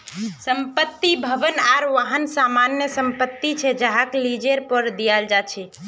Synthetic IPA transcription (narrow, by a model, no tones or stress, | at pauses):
səmpət̪ːibʱəbənaɾʋaɦənsamanjəsəmpət̪ːit͡ʃʰɛd͡ʒaɦaklid͡ʒeɾpəɾd̪ijald͡ʒat͡ʃʰɛ